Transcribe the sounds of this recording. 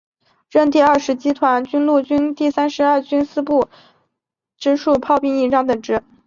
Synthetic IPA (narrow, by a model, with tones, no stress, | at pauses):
ɻə˥˧nt̪i˥˧ɐ˞˥˩ʂɻ̩˧˥t͡ɕi˥t̪ʰwa˧˥nt͡ɕy˥nlu˥˩t͡ɕy˥nt̪i˥˩sa˥nʂɻ̩˧˥a˞˥˩t͡ɕy˥nsɹ̩˥pu˥˩ | ʈ͡ʂɻ̩˥ʂu˥˧pʰɑ˥˧ʊpi˥˧ŋi˥˧ʈ͡ʂɑ˥ŋt̪ə˨˩ŋʈ͡ʂɻ̩˥